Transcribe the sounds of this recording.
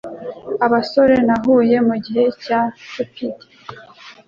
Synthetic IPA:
aβaso̞ɾe̞naɦuːje̞muɟiɦe̞catopidi̥

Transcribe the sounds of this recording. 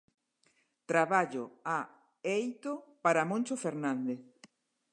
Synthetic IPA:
t̪ɾaβaʎoa | ejt̪opaɾamõnʲt͡ʃofeɾnãnd̪eθ

